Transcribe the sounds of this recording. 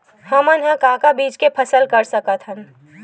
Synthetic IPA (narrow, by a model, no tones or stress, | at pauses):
hɐmənɦə̃kãːkabiːd͡ʒkepʰɐsəlkɐɾsəkət̪ʰɦən